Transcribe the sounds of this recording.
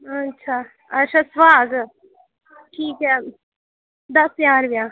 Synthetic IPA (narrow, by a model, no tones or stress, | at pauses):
ɐtːʃʰa | ɐʃasʋaːɡ | ʈʰiːkɦɛ | d̪ɐsjãːɾʋja